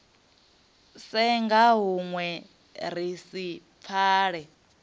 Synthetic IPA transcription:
sɛŋɡaɦuŋwɛ | ɾ̤isip̪fʰaːɺɛ

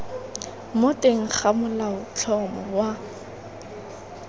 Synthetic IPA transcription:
motʼeŋ̩χamʊlaʊt͡ɬʰɔmɔwa

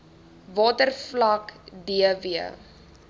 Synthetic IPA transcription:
vɑːtərflɐkdiəviə

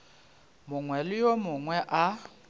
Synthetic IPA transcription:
mʊŋwɛlɪjomʊŋwɛʔa

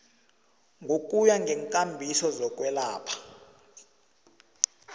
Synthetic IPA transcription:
ŋɡʱokʼujaŋɡʱɛŋkʼambʱisɔzɔk̬ʼwɛlaːpʰḁ

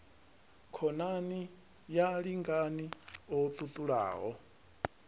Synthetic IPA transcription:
kʰɔnani | jaɺiŋɡaniɔt̪ʼut̪ʼuɺa̰ːɦɔ

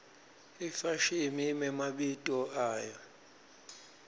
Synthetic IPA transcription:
ifaʃimimɛmaɓitʼɔaːjɔ

